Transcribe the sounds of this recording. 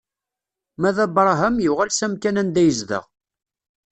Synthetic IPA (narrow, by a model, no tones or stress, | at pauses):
mæðæbɾˤɦəmjuʁælsæmkænænd̪æjəzðə̰ʁ